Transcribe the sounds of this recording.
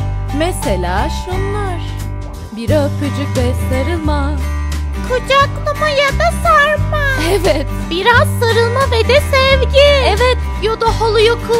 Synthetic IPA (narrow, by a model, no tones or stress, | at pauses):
meselʲaːʃunlˠaɾ̥ | biɾaapʰɯd͡ʒɯk̚bɛslaɾɯma | kʰod͡ʒaklˠumajad̪asaɾmaɛvɛt̪biɾazsaɾɯlˠmaved̪ɛsɛvɟiɛvɛt̪ | jod̪aholˠujokʰu